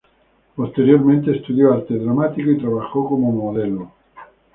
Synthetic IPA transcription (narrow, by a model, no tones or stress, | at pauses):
post̪eɾjoɾmẽnt̪eːst̪uðjoaɾt̪eðɾamat̪ikoit̪ɾaβaxokomomoðelo